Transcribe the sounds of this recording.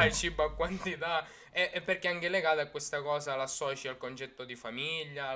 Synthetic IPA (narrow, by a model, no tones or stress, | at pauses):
jt͡ʃibakːwant̪it̪a | ɛʔɛpːerk̟eaŋkeleɡaːt̪aakːwest̪akɔːzalasːɔːt͡ʃialkont͡ʃɛt̪ːod̪ifamiʎːa